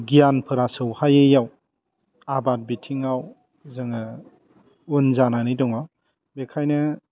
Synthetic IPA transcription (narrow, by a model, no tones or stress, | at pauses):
ɡijanpʰɯɾasɯwhajejaw | abat̚bitʰiŋaw | zɯŋɯ | unzananidɔŋaw | bekʰajnɯ